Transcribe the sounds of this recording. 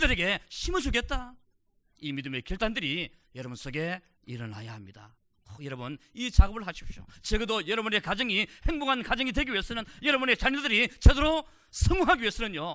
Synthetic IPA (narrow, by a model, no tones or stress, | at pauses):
dɯɾe̞ɡe̞ɕʰimɯd͡ʑuɡe̞t̚t͈a | imidɯme̞kiɭt͈andɯɾi | jʌɾʌbuns͈ʰoɡe̞ | iɾʌna̰jahamɲid̥a̰ | kojʌɾʌbɯnit͡ɕaɡɯbɯɭhaɕʰi̥p̚ɕ͈jo̰t͡ɕeɡɯdojʌɾʌbune̞kad͡ʑɯŋihe̞ŋboŋɦankad͡ʑʌŋidwe̞ɡiɥies͈ɯnɯnjʌɾʌbune̞t͡ɕaɲiadɯɾit͡ɕedoɾo | sʰʌŋuŋɦaɡiies͈ʌnɯɲjo